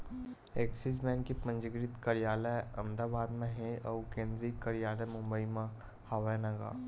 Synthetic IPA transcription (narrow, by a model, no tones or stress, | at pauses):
eːksis̬mɛːnkipɐ̃ɲd͡ʒəɡɾɪt̪kɐɾijaːləɐ̃md̪aːbaːd̪mẽɦẽɐkẽːnd̪ɾikɐɾijaːləmʊ̃mbəimã | haʋənɐɡa̰ː